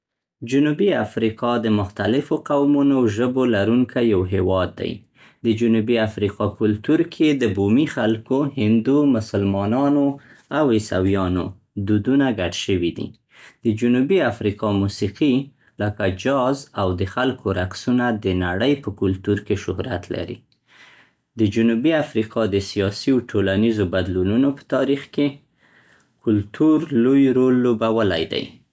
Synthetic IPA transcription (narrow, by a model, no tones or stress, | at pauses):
d͡ʒʊnubiafɾiqɑd̪əmʊxt̪alɪfoqawmunoʒəbolaɾuŋkʰajawɦewɑd̪ːa̰j | d̪əd͡ʒʊnubiafɾiqɑkʊlt̪uɾkʰed̪əbumixalkohɪnd̪umʊsəlmɑnɑno | awesa̰wjɑno̰ | d̪ud̪unaɡaɖʃəwid̪ḭ | d̪̥əd͡ʒʊnubiafɾiqɑmusiqi | ləkad͡ʒɑzawd̪əxalkʰoɾaksunad̪ənaɽəjpəkʊlt̪uɾkeʃʊhɾa̰t̪la̰ɾḭ | d̪əd͡ʒʊnubiafɾiqʰɑd̪əsijɑsiawʈʰolanizobad̪lununopə̥t̪ɑɾixke | kʊlt̪ʰuɾlojɾolːobawəla̰jd̪a̰j